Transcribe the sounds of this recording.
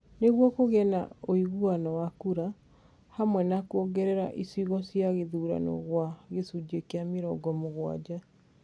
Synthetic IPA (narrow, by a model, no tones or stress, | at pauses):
neɣwɔkoɣɛna̰oiɣuanɔwakuɾa | hamwɛnakuoɡɛɾɛɾa̰ʔisiɣɔsjaɣeðuːɾa̰nɔ̰ɣwaɣesud͡ʑekeameɾɔɡɔmoɣwa̰d͡ʑa